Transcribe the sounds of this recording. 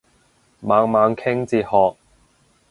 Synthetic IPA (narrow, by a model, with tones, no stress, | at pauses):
maː˨˧ŋmaː˨˧ŋkʰɪ˥ŋt͡siː˨˧t̚hɔː˨k̚